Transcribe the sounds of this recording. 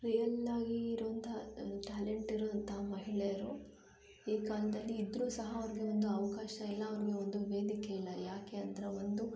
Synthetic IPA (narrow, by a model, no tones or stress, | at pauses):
ɾijɐlaːɡiːɾuʋɐnt̪ʰɐʈaːleɳʈiɾoɐnt̪ʰɐɦɐmɐɦiɭejɐɾu | iːkaːlɐd̪ɐlːiːd̪ɾuːsɐɦɐːʋɾiɡe̞o̞nd̪uɐʋɐkaːʃɐilːɐːʋɾiɡe̞ond̪uʋe̞ːd̪ikeilːɐjaːke̞ɐnd̪ɐɾeond̪u